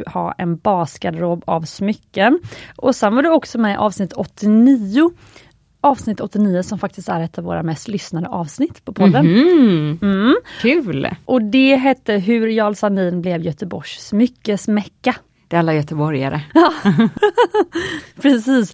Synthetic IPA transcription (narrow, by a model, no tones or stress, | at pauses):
hɑ̰ːɛnbɑːskad̪ɾoːbavsmʏkːənʔɔsɛnvaɖɛɔksɔmɛʔɑːvsnɪt̪ʰːɔt̪ːɪniʊ | ʔɑːvsnɪt̪ːɔt̪ːɪniːʊsɔmfak̚t̪ɪst̪æɾɛt̪ʰːavo̰ːɾa̰mɛst̪lʏsnad̪əʔɑːvsnɪt̪ːpʰɔpʰɔd̪ːən | m̩kʰʉːlʔɔd̪ɛɦɛt̪ːəɦɵɾjɑːlsaniːnblɛvjœt̪əbɔʂsmʏkːəsmɛkːa | d̪̥ɛalːajœt̪əbɔɾja̰ɾə̰jɑː | pʰɾɛsiːs